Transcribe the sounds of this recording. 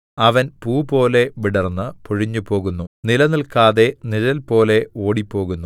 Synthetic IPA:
ɐʋɐnpuːpo̞ːle̞ʋiɽɐrnːɨpoɻiɲːupo̞ːɣunːunilɐnilkaːðe̞niɻɐlpo̞ːle̞o̞ːɽipːo̞ːɣunːu

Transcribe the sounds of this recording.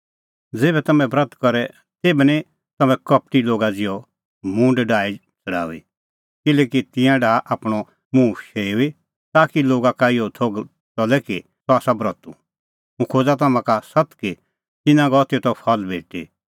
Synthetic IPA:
d͡zeːbɛt̪ɐmɛ̃bɾɐt̪kɔɾɛ | t̪eːbɛni | t̪ɐmɛ̃kɐp̚ʈiloːɡad͡zɪjɔ | mũɳɖɖaːi | t͡sɐɽa̰ːuḭ | kɪlɛːkit̪ɪ̃jãɖaːʔaːpɽ̃ɔ | mũːʃeːui | t̪aːkiloːɡakaːɪjɔt̪ʰoːɡ | t͡sɔlɛki | t̪ɔaːsabɾɔt̪ṵ | ũkʰoːd͡zat̪ɐmãkasɐt̪ki | t̪ɪnãɡɔt̪it̪ɔpʰɐlbʱeːʈḭ

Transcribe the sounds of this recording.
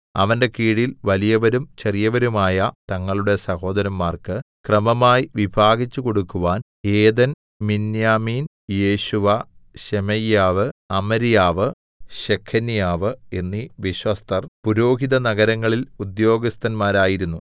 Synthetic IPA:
ɐ̰ʋɐnde̞kiːɽilʋɐlijɐʋɐɾumt͡ɕerijɐʋɐɾumaːjɐt̪ɐŋːɐɭuɽe̞sɐho̞ːd̪ɐɾɐmːaːrkɨkrɐmɐmaːjiʋibʱaːɡit͡ɕːuko̞ɽukːuʋaːn | eːðɐn | minjaːmiːn | je̞ːɕuʋɐɕemɐjːaːʋɨɐmɐɾijaːʋɨ | ɕekʰːɐnijaːʋɨe̞nːiʋiɕʋɐst̪ʰɐrpuɾo̞ːɦiðɐnɐɡɐɾɐŋːɐɭilud̪jo̞ːɡɐst̪ɐnmaːɾaːjiɾunːu

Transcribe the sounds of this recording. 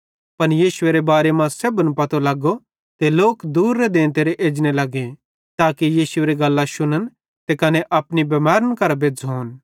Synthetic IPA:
pɐnjiːsʊeɾebaːɾemãsebənpɐt̪olɐɡo | t̪eloːkd̪uːɾːed̪ẽːnt̪eːɾeʔeːd͡ʒñelɐɡẽ | t̪aːkijiːsʊeːɾeɡɐlːaʃʊnən | t̪ekɐneʔɐpnibɐmaːɾənkɐɾabeːd͡zoːn

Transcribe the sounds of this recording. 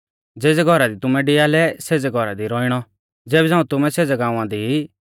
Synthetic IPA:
d͡zeːd͡zɛɡʱɔɾad̪it̪ʊmɛ̃ɖɪaːlɛseːd͡zɛɡʱɔɾa̰d̪iɾɔːɪɽ̃ɔ | d͡zeːbɛd͡zãːũt̪ʊmɛ̃seːd͡zɛɡãːũãd̪ii

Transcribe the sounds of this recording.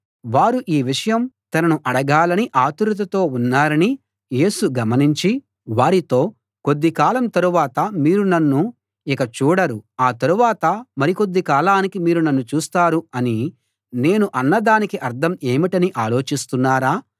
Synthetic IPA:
ʋaːɾuʔiːʋiʂɐjɐmt̪ɐnɐnuʔɐɽɐɡaːlɐniʔaːt̪uɾut̪̬ɐt̪o̞ːunːaːɾɐni | je̞ːsuɡɐmɐniɲt͡ʃi | ʋaːɾit̪o̞ː | ko̞d̪ːikaːlɐmt̪ɐɾuʋaːt̪ɐmiːɾunɐnːu | ikɐt͡ʃuːɽɐɾuaːt̪ɐɾuʋaːt̪ɐmɐɾiko̞d̪ːikaːlaːnikimiːɾunɐnːut͡ʃuːst̪aːɾuɐni | ne̞ːnuʔɐnːɐd̪aːnikiʔɐɾd̪ʰʱɐme̞ːmiʈɐniʔaːlo̞ːt͡ʃist̪unːaːɾaː

